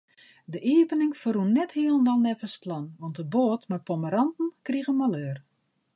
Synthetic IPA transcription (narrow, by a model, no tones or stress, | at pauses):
dəʔiəpənɪŋfərunːɛthiəlˠndanɛvəsplɔnʋɔntəboːtmapɔməɾɑntn̩kriɣəmaløːr